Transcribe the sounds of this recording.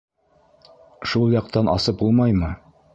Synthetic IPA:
ʃulˠjɑqt̪ɑnʔɑ̰sɤp̚ulˠmɑjmɤ

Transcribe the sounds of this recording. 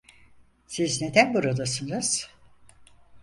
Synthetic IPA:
sizne̞d̪ænbuɾad̪asɯnɯz̥

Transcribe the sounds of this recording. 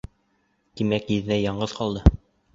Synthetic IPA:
t̪imækjɘ̆ðɘ̆næjɑɴɢɤðqɑlˠd̪ɤ

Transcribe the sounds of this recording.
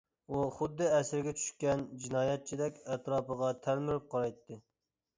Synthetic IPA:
uχʊd̪ːɨɛsɾɡʲɛt͡ʃʰy̥ʃkʲɛnd͡ʒinɑːjɛt̪̚t͡ʃʰid̪ɛkʲɛt̪ɾɑːpəʁɑt̪ʰælmɪɾɪp̚qʰɑɾɑjt̪ʰːɨ

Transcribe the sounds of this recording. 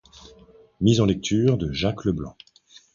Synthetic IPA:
mizɑ̃lɛk̚t̪ʰyːʁd̪əʒakləblɑ̰̃

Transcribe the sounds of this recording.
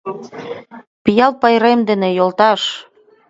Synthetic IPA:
pijɑlpɑjɾemd̪enejolt̪ɑʃ

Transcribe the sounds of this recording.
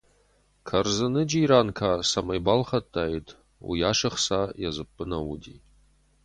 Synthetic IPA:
kʰɐrzɨnɨd͡ʒiːɾaːnkʰaːsɐmɐjbalχɐtʰʼːaːjitʰ | ṵjaːʂɨχsajazɨpʼːɨnɐwṵdḭ

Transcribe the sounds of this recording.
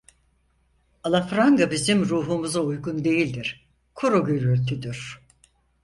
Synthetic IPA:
alˠafɾaŋɡabizimɾuːɦumuzaujɡund̪e̞jilʲd̪iɾ̥ | kʰuɾoɡøɾyɾt̪ʰyd̪yɾ̥

